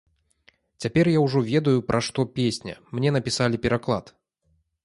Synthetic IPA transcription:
t͡sʲapʲɛrjawʐɔvʲɛd̪ɐjupɾʔaʂt̪ɔpʲesʲnʲɐ̰mnʲɛnɐpʲisalʲipʲɛɾaklˠa̰t̪

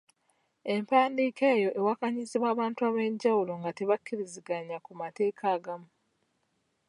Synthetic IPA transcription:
e̞mpaːndiːkeːjo̞ʔe̞wakaɲiziβaːβaːntuaβe̞ɲɟawulo̞ŋɡate̞βakʰːiɾiziɡaɲakumate̞ːkʰaːɡamu

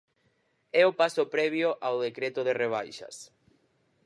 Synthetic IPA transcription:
ɛʊpasʊpɾɛβ̞joʔawðekɾet̪oðereβ̞ajʃɐ̰s

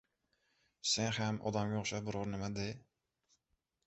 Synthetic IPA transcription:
seŋhæmʔɒ̰d̪ɑmɡʲoχʃabʊɾʊɾnɪmɛd̪ɪ

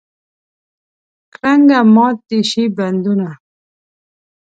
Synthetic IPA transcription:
kɾaŋɡamɑːt̪iɕiband̪una

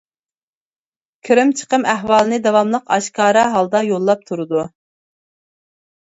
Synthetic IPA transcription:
kʲʰiɾɪmt͡ʃʰə̥qəmæɦwɑːlˠɨnɨd̪ɑwɑmlˠəqɑʃkɑːɾɑɦɑlˠd̪ɑjolˠːɑp̚t̪ʰuɾɨd̪u

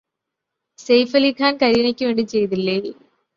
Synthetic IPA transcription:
sejfɐlikʰaːnkɐɾinɐkʲːɨʋeːɳɖit͡ɕe̞jt̪̬ilːe

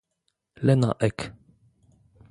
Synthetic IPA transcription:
lɛna̰ʔɛk

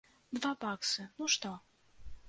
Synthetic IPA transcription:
d̪vapɑksɨnuʃt̪o

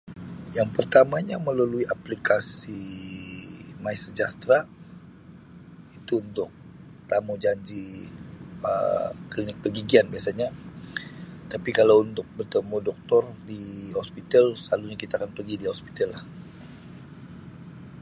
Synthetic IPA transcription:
jaŋpərt̪amaɲaməlaluiʔaplikasi | maisəd͡ʒaht̪ɾa | it̪uunt̪ʊk̚ | t̪amud͡ʒaɲd͡ʒi | ə̰klinɪk̚pərɡiɡianbiasaɲa | t̪apikalawunt̪ʊk̚bərt̪əmudɔk̚t̪ɔrdiɦɔspit̪əlsəlaluɲakit̪aːkanpərɡidiɦɔspi̥t̪əlːah

